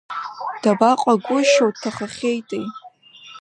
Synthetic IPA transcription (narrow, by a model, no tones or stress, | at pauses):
d̥abaqʷʼaɡʷʊʃowttʰːaχaχʲejtʼej